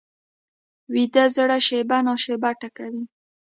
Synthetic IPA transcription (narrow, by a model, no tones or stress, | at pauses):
wid̪azəɽaʃebanoʃebaʈakawi